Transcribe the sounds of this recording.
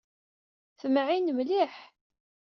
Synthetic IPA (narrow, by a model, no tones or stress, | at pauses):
θməʕinmliħ